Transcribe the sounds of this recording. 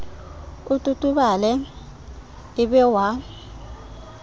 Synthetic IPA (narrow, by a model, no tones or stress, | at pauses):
utʼutʼuɓalɛ | ɪɓɛwa